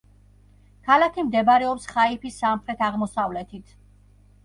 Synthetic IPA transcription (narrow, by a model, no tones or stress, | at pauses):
kʰalakʰimd̪ɛbɾɛɔpsχaipʰisːamχɾɛt̪ʰaʁmɔsavlɛt̪ʰit̪ʰ